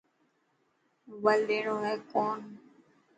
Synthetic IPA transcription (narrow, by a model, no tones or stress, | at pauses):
ʋəlɗ̪eːɳoːɦɛːkoːn